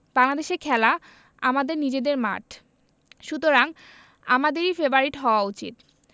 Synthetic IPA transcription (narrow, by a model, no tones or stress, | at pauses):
b̥aŋlad̪eʃeɾkʰɛla | amad̪eɾnid͡ʑed̪eɾma̰ʈʰ | ʃut̪oɾaŋ | a̰mad̪eɾifeboaɾiʈɦɔoaut͡ɕḭt̪